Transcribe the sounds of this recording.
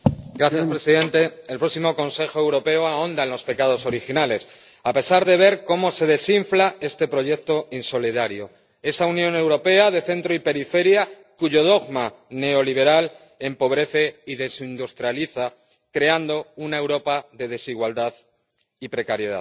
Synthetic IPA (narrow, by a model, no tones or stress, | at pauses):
ɡɾaθjaspɾe̞siðẽ̞nt̪e̞ːlpɾo̞ksimo̞ko̞nse̞xoe̞wɾo̞pe̞oao̞nd̪aenlo̞spe̞kað̞oso̞ɾixinale̞s | ape̞saɾðe̞β̞e̞ɾko̞mo̞se̞ðe̞siɱflae̞st̪e̞pɾo̞ʝe̞k̚t̪oinso̞liðaɾjo̞ | e̞saunjõ̞ne̞wɾo̞pe̞aðe̞θe̞nt̪ɾoipe̞ɾife̞ɾja | kuʝo̞ð̞o̞ɣma | ne̞o̞liβ̞e̞ɾal | e̞mpo̞βɾe̞θe̞iðe̞sind̪ust̪ɾjaliθa | kɾe̞and̪o̞unae̞wɾo̞paðe̞ð̞e̞siɣwald̪að | ipɾe̞kaɾje̞ða̰ð